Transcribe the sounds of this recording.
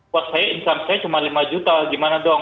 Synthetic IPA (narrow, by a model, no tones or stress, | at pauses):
wat̪̚sajaʔinsamsajat͡ʃumalimad͡ʒut̪aɡimanadɔ